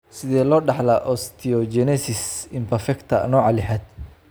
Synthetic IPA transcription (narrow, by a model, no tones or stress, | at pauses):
sɪðɛːlɔːɖɑħlɐʔɔst̪ʰiɔd͡ʒɛnɛsɪsɪmpʰɛfɛkt̪ʰɐ̰nɔːʕɑlɪħɛd̪